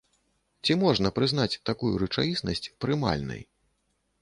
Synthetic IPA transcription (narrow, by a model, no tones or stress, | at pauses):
t͡sʲimɔʐnɐpɾɨznat͡sʲt̪akujuɾɨt͡ʂajisnɐsʲt͡sʲpɾɨma̰lʲnɐ̰j